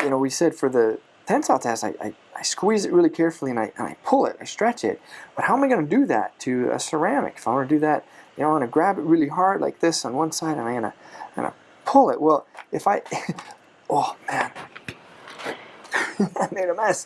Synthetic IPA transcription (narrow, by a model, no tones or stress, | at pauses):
jɨñoʊwisɛd̥fə˞ðɨ | tʰɛ̃nsatʰɛstaɪʔa̰ɪ | ʔaɪskwizɨt̚ɹɪlˠikʰɛɹfl̩ˠiɨ̃naɪʔɨ̰̃na̰ɪpʰʊlˠɪ̰ɾnaɪstɹ̥ɛt͡ʃɪ̰t̚b̥ʌt̚haʊə̃maɪɡʌnɨdɨðæ̰tʰɨɨ̰sə˞æmɨ̰kɨ̥faɪwɡʌnɨdɨðɨt̚jɨnoʊ̃ɡʌ̃nɨɡɹæbɨt̚ɹɪlˠiɦɑɹdˡla̰ɪk̚ðɪsn̩wʌ̃nsaɪɾɨ̃maɪɡʌnə̰aɪɡʌ̰nə̰ | pʰʊlˠɪʔ̚wɛlˠɨfaɪ | ʔomæ̃n | aɪmeɪɾəmɛs